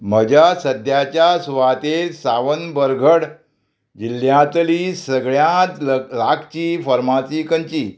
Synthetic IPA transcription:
m̤əd͡ʑasəd̪jat͡ɕjasʋat̪esaʋənbəɾɡʱəɽ | d͡ʑiljãt̪lisəɡɭjãt̪lakʰt͡ɕiːfəɾmat͡sikəɲt͡ɕiː

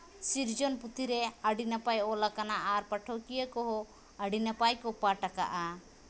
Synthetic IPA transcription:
siɾd͡ʒɔnput̪ʰiɾɛaɖinapajɔlakanaʔaɾpəʈʰɔkijəkɔɦɔ | əɖinapajkɔpaʈaka̰ʔa

